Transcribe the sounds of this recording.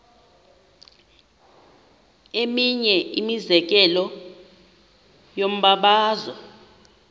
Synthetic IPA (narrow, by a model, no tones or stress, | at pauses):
emiɲɛimizɛk̬ɛlɔ | jom̩ɓaɓaːzɔ